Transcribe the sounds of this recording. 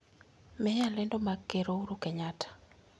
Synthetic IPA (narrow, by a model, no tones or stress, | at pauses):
mɛjalɛndɔmaɡeɾouɾukɛɲatʰḁ